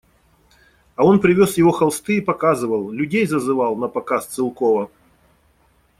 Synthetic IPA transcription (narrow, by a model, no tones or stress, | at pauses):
ɐonpɾʲɪvʲosjɪvo̞xɐlˠst̪ɨipɐkazɨvəlˠlʲʉdʲejzəzɨvalˠnɐpɐkast̪sɨlˠkovə